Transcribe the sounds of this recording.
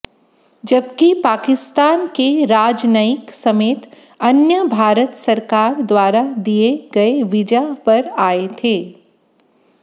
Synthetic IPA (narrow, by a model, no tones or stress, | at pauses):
d͡ʒɐbkipaːkɪst̪aːnkeɾaːd͡ʒnəɪksɐmeːt̪ | ɐnjəbʱaːɾət̪sɐɾkaːɾd̪waːɾad̪ijeɡɐeʋɪd͡ʒapɐɾaːet̪ʰeː